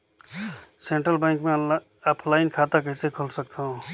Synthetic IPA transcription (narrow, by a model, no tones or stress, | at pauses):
sẽːɳʈɾəlbẽːŋkmẽ | əpʰlaːɪnkʰaːt̪akəɪsekʰolsək̚t̪aɦõː